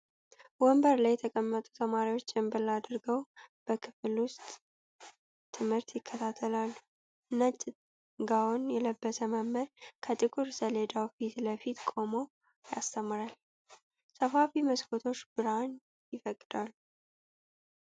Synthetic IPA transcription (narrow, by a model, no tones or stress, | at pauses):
wɔmbəɾlajːɛt̪ʰəkʼəmːət̪ʼu̥t̪ʰəmaɾiwo̞t͡ʃːɪmbəlːad̪ɾɡəwb̥əkʰɨflwʊst̪ʼ | ɨmhɨɾt̪jɪkʰːət̪ʰat̪ʰːəlalːu | nət͡ʃʼ | ɡawonjɛləbːəsəməmːəɾkʰət̪ʼɨkʼuɾsəled̪awfit̪ləfit̪kʼo̞mo | ja̰st̪ʰəmːɾal | səfafiməskʰʼot̪ʰo̞t͡ʃːbɨɾan | jɪfəkʼːɨd̪alːu